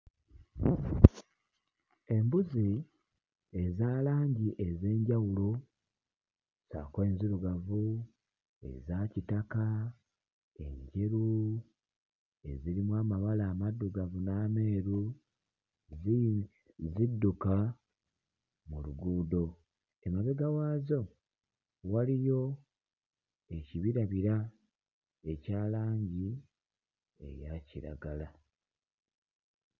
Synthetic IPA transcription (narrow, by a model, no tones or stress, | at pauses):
e̞mbuzi | ezaːlaːɲɟiʔe̞ze̞ːɲɟawulo | sa̰ːkwe̞ːnziɾuɡavu | e̞̰zaːcitaka | ḛɲɟeɾu | e̞ziɾimwaːmaβalaːmadːuɡavunaːme̞ːɾu | z | zidːuka | muluɡuːdo̞ | e̞maβe̞ɡawaːzo̞ | walijo̞ | e̞ciβiɾaβiɾa | e̞caːlaːɲɟi | e̞̰jaciɾa̰ɡala